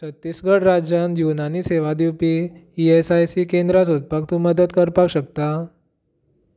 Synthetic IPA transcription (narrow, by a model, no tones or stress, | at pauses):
t͡sət̪ːisɡəɽɾad͡ʑanjunaniːseʋad̪iwpiiesajsikẽnd̪ɾasud̪̚pakt̪ũməd̪ət̪kəɾpakɕəkt̪a